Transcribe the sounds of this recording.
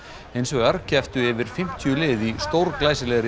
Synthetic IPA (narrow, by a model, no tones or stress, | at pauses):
ejnsvɔɣaɾcɛft̪ʏɛːvɪɾ̥fɪm̥t̪ʰjʏlɪːðist̪owɾklaːjsɪlɛɣɾɪ